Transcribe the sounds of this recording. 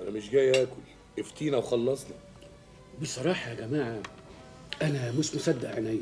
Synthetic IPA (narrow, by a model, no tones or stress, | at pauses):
ʔænæmɪʃɡæjʔæːkʊl | ʔeft̪iːnæwxɑlːɑsˤnɑ | besˤɑɾˤɑːħɑjɡæmaːʕa | ʔænæmoʃmʊsæd̪ːaʔʕanæj